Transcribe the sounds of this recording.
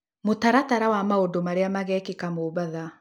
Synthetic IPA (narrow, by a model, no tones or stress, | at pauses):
motaɾataɾawamaondomaɾeamaɣɛːkekamoβaða